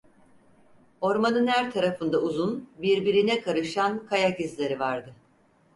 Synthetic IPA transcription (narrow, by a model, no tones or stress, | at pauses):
o̞ɾmanɯnhæɾt̪ʰaɾafɯnd̪auzunbiɾbiɾinɛkʰaɾɯʃankʰajacizlʲeɾivaɾd̪ɯ